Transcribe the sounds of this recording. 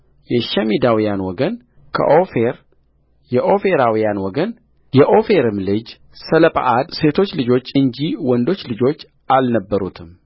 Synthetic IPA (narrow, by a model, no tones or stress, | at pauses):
jɛʃɛmid̪awijanwɔɡən | kʰə̰ʔofeɾ | jɛʔo̞fe̞ɾawijanwɔɡən | jɛʔo̞fe̞ɾɨmlɨd͡ʒ | sələpʼa̰ʔad̪se̞t̪ʰo̞t͡ʃːlɨd͡ʒo̞t͡ʃːɨɲd͡ʒiwɔnd̪o̞t͡ʃːlɨd͡ʒo̞t͡ʃː | ʔalnəbːəɾut̪ʰɨm